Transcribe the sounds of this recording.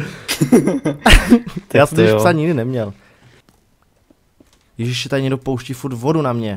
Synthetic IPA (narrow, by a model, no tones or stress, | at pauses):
aːst̪ojɛʃsaɲɪɡdɪnɛmɲɛl | jɛʒiʃsɛt̪adɪɲɛɡdopowʃcifuɾt̪vodunamɲɛ